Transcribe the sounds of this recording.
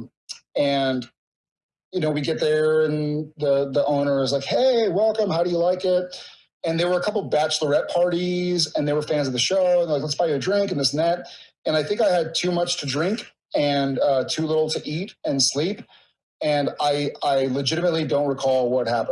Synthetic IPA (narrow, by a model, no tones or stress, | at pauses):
ɨ̃n | jɨñoʊwiɡɛt̪̚ðə˞ɨ̃nðəðiʔõʊ̃ñə˞ɪzlaɪkheɪwɛlˠkə̃mhaʊɾɨjəlaɪkɪt̚ | ɨ̃nðə˞wə˞əkʰʌpl̩ˠbæt͡ʃl̩ˠə˞ɛt̚pʰɑɹɾizɨ̃nðəwə˞fæ̃nzʌvðɨʃoʊə̃nðə˞laɪklətsb̥aɪjɨɾɨdɹɪ̃ŋkn̩lɪsn̩ðæt̚ | ɨ̃ñaɪθɪ̃ŋkaɪɨd̚tʰʉmʌt͡ʃtʰɨdɹɪ̃ŋk | ɨ̃nʌtʰʉlɪɾl̩ˠtʰɨʔiɾɨ̃nslip | ɨ̃naɪaɪlɨd͡ʒɪɾɨmətˡlidõʊ̃nt̚ɹikʰɔlˠwʌt̚hæpə̃n